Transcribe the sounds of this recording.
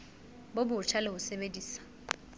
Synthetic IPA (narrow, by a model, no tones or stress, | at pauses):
bobʊt͡ʃʰalɪhʊsebediːsḁ